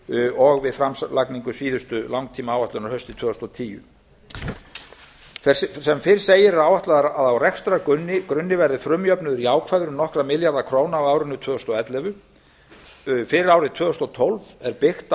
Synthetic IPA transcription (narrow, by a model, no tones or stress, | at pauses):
ɔɣvɪðfɾamslakniŋkʏsiːðʏst̪ʏlawŋk̚t̪ʰiːmaaːwaht̪ʏnaɾhœɥst̪ɪt̪ʰvœːʏst̪ɔt̪ʰiːjʏ̰ | sɛmfɪɾ̥seːjɪɾɛɾaːwaht̪laðɾaðawrɛkst̪ɾakʏnːɪkɾʏnːɪvɛɾðɪfɾʏmjœpnʏðʏɾiaːwkʰvajðʏɾʏmnɔhkɾamɪljaɾðakʰɾoːwnaːwaːwɾʏnʏt̪ʰvœːðɔst̪ɔɛt̪lɛvʏ | fɪɾɪɾaːwɾɪt̪ʰvœːðʏst̪ɔt̪ʰɔlvɛɾpɪxt̪